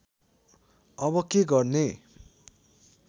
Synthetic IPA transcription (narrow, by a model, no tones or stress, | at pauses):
ʌbʌkeɡʌrne